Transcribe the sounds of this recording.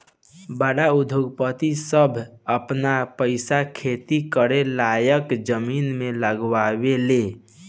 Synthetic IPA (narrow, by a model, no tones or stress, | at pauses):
baɽaud̪ʱjoɡpət̪isəbʱəpnapəɪsakʰet̪ikəɾelajəkd͡ʒəminmeləɡwabele